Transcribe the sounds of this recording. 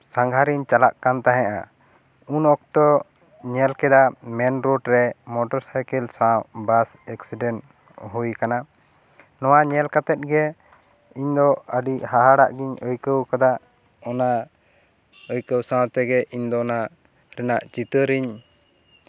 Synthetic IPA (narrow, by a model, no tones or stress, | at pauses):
saŋɡʱaɾiɲt͡ʃalaʔkant̪aɦɛ̃ʔa̰ | unɔk̚t̪ɔ | ɲɛlkɛd̪amɛnɾoʈɾɛmɔʈɔɾsajkɛlsabas | ɛksiɖɛn | ɦujkana | nɔwaɲɛlkat̪ɛt̪̚ɡɛ | iɲd̪ɔəɖiʔhaɦaɽa̰ʔɡiɲəjkəwkad̪aʔ | ɔna | əjkəwsãwt̪ɛɡɛʔiɲd̪ɔna | ɾɛnaʔt͡ʃit̪əɾiɲ